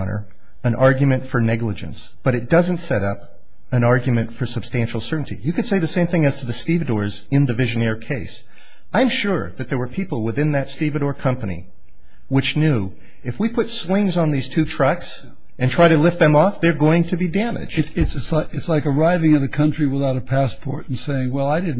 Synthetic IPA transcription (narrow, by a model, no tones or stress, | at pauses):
nə̰˞ | ɨ̃nʔɑɹɡjɨmɨ̃ntfə˞nɛɡləd͡ʒɨ̰̃ns | b̥ʌɾɨt̚d̥ʌzɨ̃n̩tsɛɾʌp | ɨ̃nɑɹɡjmɨ̃ntfə˞sɨb̥stæ̃nʃl̩ˠsɜ˞ʔn̩tʰḭjɨkɨd̥seɪðɨsẽɪ̃mθɪ̃ŋɨz̥tʰɨðɨstivɨdɔɹz | ɨ̃nðɨvɪʒɨnɛɹkʰeɪs | ãɪ̃mʃʊɹðɨt̪̚ðə˞wə˞pʰipl̩ˠwɪθɪ̃nðɨtstivɨɾɔɹkʰʌ̃mpənḭ | wɨt͡ʃnjʉ | ɨfwipʰʊtslɪ̃ŋzn̩ðiz̥tʰʉtʰɹ̥ʌks | ɨ̃ntʰɹ̥aɪɾɨlɪft̪̚ðɨ̃mɔfðə˞ɡoʊɪ̃ŋtʰɨbidæmɪ̰d̥d͡ʒd̥ɪ̥sɨtsaɪɨtslaɪkə˞aɪvɪ̃ŋʌvɨkʰʌ̃nt͡ʃɹ̥iwəθaʊɾɨpʰæspʰɔɹɾn̩seɪɪ̃ŋwɛlˠaɪdɪdⁿn̩